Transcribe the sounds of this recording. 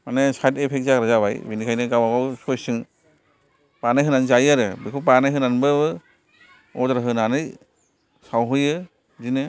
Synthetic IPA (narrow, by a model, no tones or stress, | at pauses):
manesatepʰek̚zaɾɯzaba̰jbinikʰajnɯɡawaɡɔwsɔjsɯŋ | panɯɦɯnanzajaɾɯbɯkʰupanɯɦɯnanbɯbɯ | ɔtɾaɦɯnanɯj | sawɦɯjɯ | zinɯ